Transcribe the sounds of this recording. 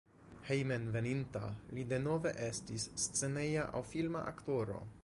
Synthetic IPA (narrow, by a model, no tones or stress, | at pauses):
hejmenve̞ninta̰lide̞no̞ve̞ʔe̞stisːt͡se̞ne̞jaʔa̰wfilma̰ʔa̰kto̞ɾo̞̰